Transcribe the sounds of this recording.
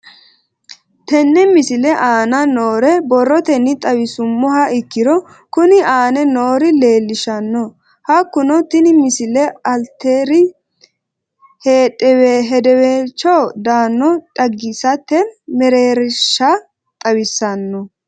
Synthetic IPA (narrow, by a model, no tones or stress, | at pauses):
t̪ɛnːɛmɪsɪlɛʔaːnɐnoːɾɛbɔrːɔt̪ɛnːɪt̪ʼɐwɪsʊmːɔɦɐɪkːɪɾɔ | kʊnɪaːnɛno̞ːɾɪle̞ːlːɪʃɐnːɔ | hɐkːʊnɔt̪ɪnɪmɪsɪlɛɐlt̪eːɾɪ | heːtʼːɛweːɦɛd̪ɛweːt͡ʃɔwd̪aːnːɔᶑʼɐɡːɪsɐt̪ːɛmɛɾeːɾɪʃːɐ | t̪ʼɐwɪsːɐnːɔ